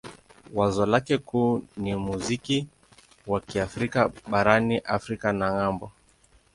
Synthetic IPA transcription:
wazɔlakɛkuːnimuziki | wakiafɾikaɓaɾaniʔafɾikanaŋambɔ

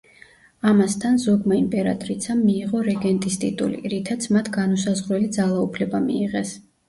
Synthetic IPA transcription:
amast̪ʰanzɔɡmaimpʼɛɾa̰t̪ʼɾit̪sʰamːiːʁɔɾɛɡɛnt̪ʼist̪ʼḭt̪ʼṵlḭɾit̪ʰat̪sʰmat̪ʰɡanusazʁɾɛlid̪zalˠaupʰlɛbamiːʁɛs

